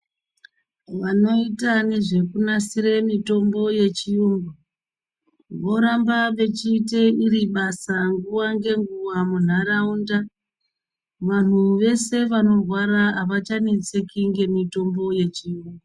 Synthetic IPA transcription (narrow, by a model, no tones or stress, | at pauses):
ʋano̞itane̞ʐe̞kunasiɾe̞mito̞mbo̞je̞t͡ʃijuːŋɡu | ʋo̞ɾambaʋe̞t͡ʃite̞iriɓasaŋɡuwaŋɡe̞ŋɡuwamun̤araunda | ʋan̤uʋe̞se̞ʋano̞rwaɾaɦaʋat͡ʃanet͡sekiŋɡe̞mito̞mbo̞je̞t͡ʃijuːŋɡu